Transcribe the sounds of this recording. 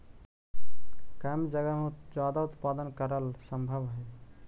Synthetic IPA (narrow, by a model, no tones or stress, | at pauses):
kamd͡ʒəɡəmed͡ʒad̪aut̪pad̪ənkəɾəlsəmbʱəbɦəj